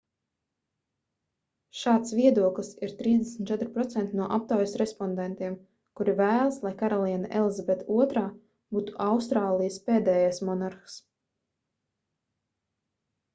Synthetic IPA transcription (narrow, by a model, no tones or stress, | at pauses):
ʃaːt̪svʲiɛd̪uɔklˠisiɾt̪ɾiːzd̪ɛsmʲt̪t͡ʃɛt̪ɾpɾɔt̪sɛnt̪inuɔʔap̚t̪awjsɾɛspɔnd̪ɛnt̪iɛm | kuɾivæːlˠslˠajkaɾɔlˠiːnaʔɛlˠzabɛt̪uɔt̪ɾaː | b̥uːt̪u̥ʔawst̪ɾaːlˠijspeːd̪ɛːjajsmɔnaɾxs